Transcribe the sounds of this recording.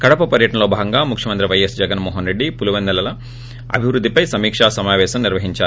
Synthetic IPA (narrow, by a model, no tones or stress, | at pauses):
kɐɽɐpɐpɐɾjɐʈɐnɐlo̞ːbʱaːɡɐŋɡaːmukʰjɐmɐnt̪ɾiʋɐjɐsd͡ʒɐɡɐnmɔːɦɐnɾeɖːipuluʋɐnd̪ɐlɐlɐ | ɐ̰bʱiʋɾud̪ːipɐjsɐmiːkʂaːsɐmaːʋɛːʃɐmniɾʋɐɦiɲt͡ʃaːɾu